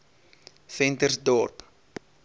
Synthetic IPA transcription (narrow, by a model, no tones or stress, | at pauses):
fɛntərsdɔrp